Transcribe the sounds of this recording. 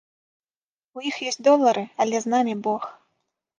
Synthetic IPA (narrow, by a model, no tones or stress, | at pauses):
ujixjɔsʲtʲd̪ɔlˠːɐɾʔɨɐlʲɛznamʲibɔx